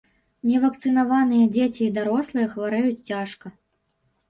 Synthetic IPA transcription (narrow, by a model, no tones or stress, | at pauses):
nʲɛvɐk̚t̪sɨnavanɨjɐd͡zʲet͡sʲiːd̪aɾɔslˠɨjɐxvaɾɛjut͡sʲt͡sʲaʂkɐ